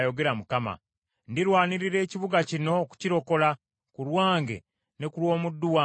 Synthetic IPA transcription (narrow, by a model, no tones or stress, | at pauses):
jo̞ɡe̞ɾamukama̰ | ndiɾwaːniɾiɾe̞ːciβuɡacino̞ku̥ciɾo̞ko̞la | kulwaːŋɡe̞̰ | ne̞kulwo̞ːmudːuwa